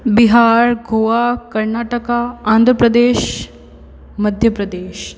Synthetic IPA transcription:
biɦaɾɡʱoʋakəɾnaʈəkaãnd̪ʱɾəpɾəd̪eːɕ | məd̪ʱjəpɾəd̪eːɕ

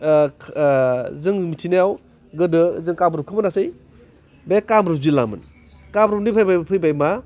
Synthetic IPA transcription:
zɯŋmitʰinajaw | ɡɯdɯzɯŋkamɾup̚kʰɯmanasɯj | bekamɾup̚zila̰mɯ̰n | kamɾupnipʰajbapʰɯjbajma

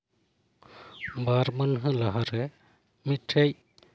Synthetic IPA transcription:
baɾmanɦə̃laɦaɾɛ | miʈʰej

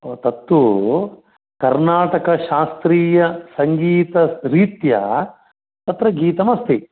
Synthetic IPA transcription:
oːt̪ɐt̪ːwu | kɐɾnaːʈɐkɐʃaːst̪ɾiːjɐsɐŋɡiːt̪ɐɾiːt̪jɐ̰ | t̪ɐt̪ɾɐɡiːt̪ɐmɐst̪ʰi

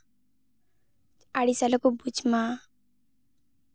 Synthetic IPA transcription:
aɽisalakubut͡ʃma

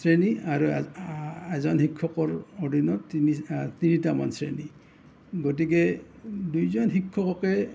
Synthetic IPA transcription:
sɹeniaɹu | ɛzɔnxikʰːɔkɔɹɔdʱinɔtinitinitama̰nsɹḛni | ɡot̬ik̬ɛdujzɔnxikʰːɔkɔkɛ

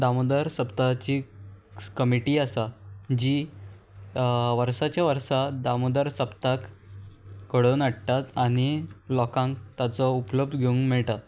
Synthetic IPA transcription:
d̪amud̪əɾsəpt̪at͡ɕi | kəmiʈiːasad͡ʑiː | ʋəɾsat͡ɕjaʋəɾsad̪amud̪əɾsəpt̪ak | ɡəɽonəɽt̪at̪aɽ̃ilɔkãŋkt̪at͡sɔupləb̚d̪ɡʱeũŋɡmɛɭʈa

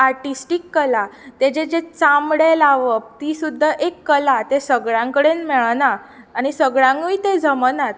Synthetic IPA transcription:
aɾʈisʈikːəlat̪ed͡ʑed͡ʑet͡samɽelaʋəp̚t̪isud̪ʱːəʔekːəlat̪esəɡɭãŋkəɽenmeɭnaː | ɽ̃isəɡɭãŋɡiit̪ed͡zəmənat̪̚

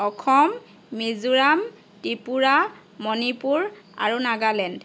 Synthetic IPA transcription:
ɔkʰɔmː | izuɹam | tipuɹa | mɔnipuɹa̰ɹunaɡalɛnd

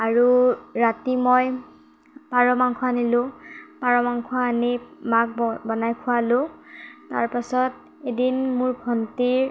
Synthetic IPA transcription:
aɹuɹatimɔj | paɹɔmaŋkʰʊanilʊ̃paɹɔmaŋkʰuaːnimak̚bɔnajkʰʊalʊ̃ta̰ɹpasɔt̚ | edinmʊɹbʱɔntiɹ

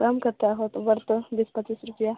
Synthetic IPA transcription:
kamkəɾt̪eaɦot̪bəɾt̪əb̪ispət͡ʃiːsɾupja

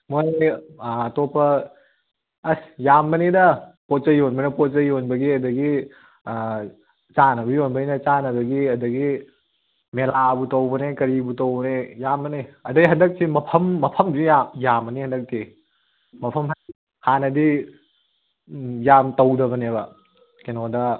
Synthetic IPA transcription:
moj | ɐtopɐ | ɐsjamːɐnidɐpot̚t͡ʃɐjonbɐnepot̚t͡ʃɐjonbɐɡiɐdɐɡi | t͡ʃanɐbɐjonbɐinɐt͡ʃanɐbɐɡiɐdɐɡi | melabutɐwbɐnekɐɾibutowbɐnejamːɐneɐdɐiɦɐndɐk̚timɐpʰɐmːɐpʰɐmzijamjamːɐnihɐndɐk̚ti | mɐpʰɐmɦa | hanɐdi | jamtɐwdɐβɐneβɐ | kenodɐ

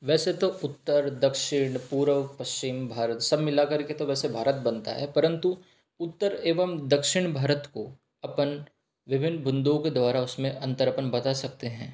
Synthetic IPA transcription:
ʋɛːset̪oʊt̪ːəɾd̪ɐkʃɪɽ̃puːɾəʋpɐst͡ʃɪmbʱaːɾət̪sɐbmɪlakɐɾket̪oʋɛːsebʱaːɾət̪̚bɐ̃nt̪a̰ɦɛpɐɾə̃nt̪u | ʊt̪ːəɾeːʋəmd̪ɐkʃɪɽ̃bʱaːɾət̪ko | ɐpən | ʋɪbʱɪnːbʊ̃nd̪õked̪wʋaːɾaʊsmẽʔɐ̃nt̪əɾəpənbɐt̪asɐk̚t̪eɦɛ̃ː

